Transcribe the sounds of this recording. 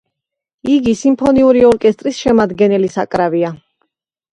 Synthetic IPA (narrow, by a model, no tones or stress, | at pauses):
iɡisimpʰɔniuɾiɔɾkʼɛst̪ʼɾisʃɛmad̪ɡɛnɛlisakʼɾavia